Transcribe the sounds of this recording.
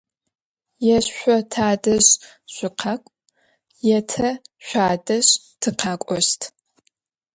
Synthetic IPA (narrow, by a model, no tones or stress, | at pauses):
jɛɕʷɔtʰaːdɐɕ | ɕʷʼʊqʰɐkʷʼ | jɛtʰɐɕʷaːdɐɕ | tʰɨqʰaːkʷʼɔɕtʰ